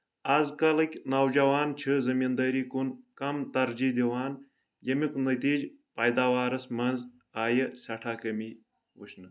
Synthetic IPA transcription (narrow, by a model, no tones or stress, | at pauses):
ɐzkɐlɨkʲnawd͡ʒɐwaːnt͡ʃʰɨzɐmind̪ɐːɾiːkunkɐmt̪ɐɾd͡ʒiːd̪iwaːn | jɐmikunɐt̪iːd͡ʒ | pɐjd̪aːwaːɾɐsmɐnz | aːjəsʲɐʈʰaːkɐmi | wṵʃʰnɨ